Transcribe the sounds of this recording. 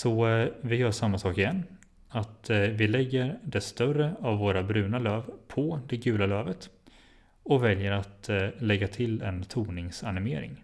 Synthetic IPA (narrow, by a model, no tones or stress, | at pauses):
sɔvɪjœːʂamːasɑːkɪjɛnː | at̪vɪlɛɡːəɾɖɛst̪œrəavːoːɾabɾʉ̟ːnaløːvpʰɔd̪ɛɡʉ̟ːlaløːvət̪ | ɔkvɛljəɾat̪lɛɡːat̪ʰɪlɛnt̪ʰuːnɪŋsanɪmeːɾɪ̰ŋ